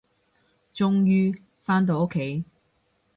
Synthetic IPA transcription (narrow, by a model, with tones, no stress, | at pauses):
t͡sʊ˧ŋjyː˧ | faː˥nt̪̬o˧wʊ˥kʰːe˨˥j